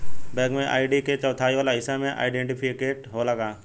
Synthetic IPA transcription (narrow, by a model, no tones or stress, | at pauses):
bɛ̃ːkmẽʔa̰ːɪɖiket͡ʃɔːt̪ʰaːiʋaːlaɦɪsamẽʔa̰ːɪɖẽɳʈɪpʰɪkeːʈɦolɐɡaː